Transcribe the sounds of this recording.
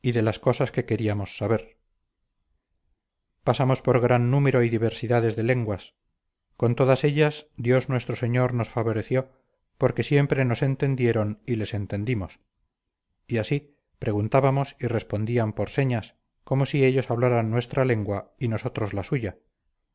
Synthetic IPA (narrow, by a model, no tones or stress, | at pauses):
iðe̞lasko̞saske̞ke̞ɾiamo̞sːaβe̞ɾ | pasamo̞spoɾɣɾanːume̞ɾo̞iðiβ̞e̞ɾsiðaðe̞zðe̞le̞ŋɡwas | ko̞nt̪o̞ðase̞ʎasd̪jo̞znwe̞st̪ɾoseɲo̞ɾno̞sfaβo̞ɾe̞θjo̞ | po̞ɾke̞sje̞mpɾe̞no̞se̞nt̪e̞nd̪je̞ɾo̞nile̞se̞nt̪e̞nd̪imos | iasi | pɾe̞ɣunt̪aβamo̞sire̞spo̞nd̪iampo̞ɾse̞ɲas | ko̞mo̞sie̞ʎo̞saβlaɾanːwe̞st̪ɾale̞ŋɡwaino̞so̞t̪ɾozlasuʝa